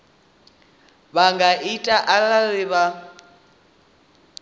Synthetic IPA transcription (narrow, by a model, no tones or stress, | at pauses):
βaŋɡaʔitʼaʔalarɪβa